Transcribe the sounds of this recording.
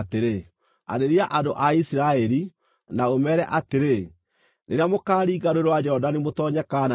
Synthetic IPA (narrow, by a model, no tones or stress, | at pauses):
teɾe | a̰ɾeɾiaʔandoʔaisiɾaɛɾi | naomɛːɾɛʔateɾe | neɾeamokaːɾiːɡaɾoeɾewad͡ʒɛhɔdanemotɔɲɛkan